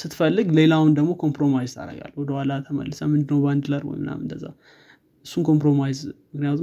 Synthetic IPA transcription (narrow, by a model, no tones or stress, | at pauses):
sɨt̪ʰːfəlːɨɡle̞lawʊnd̪əɡmo̞kʰo̞mpɾo̞majzt̪ʰa̰ɾə̰ɡa̰lwɔd̪əhʷwalat̪ʰəmə̰lːɨsəmɨnd̪ɨnəwband̪ɨləɾwɔ̰jmɨna̰mɨnd̪əzːa̰ | ʔɨsːunkʰo̞mpɾo̞majzmɨknijat̪u